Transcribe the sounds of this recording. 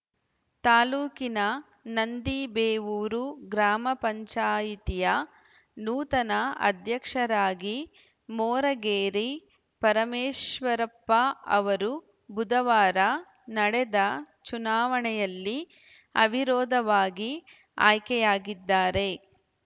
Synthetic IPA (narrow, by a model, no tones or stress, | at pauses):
t̪aːluːkinɐ | nɐnd̪ibeːʋuːɾuɡɾaːmɐpɐɲt͡ʃaːjit̪ijɐ | nuːt̪ɐnɐɐ̰d̪ʱjɐkʂɐɾaːɡi | mɔːɾɐɡeːɾi | pɐɾɐmeːʃʋɐɾɐpːɐɐ̰ʋɐɾu | bud̪ɐʋaːɾɐ | nɐɽɛd̪ɐ | t͡ʃunaːʋɐɳɛjɐlːi | ɐbʱiɾɔːd̪ʱɐʋaːɡi | a̰ːjkɛjaːɡid̪ːaːɾe̞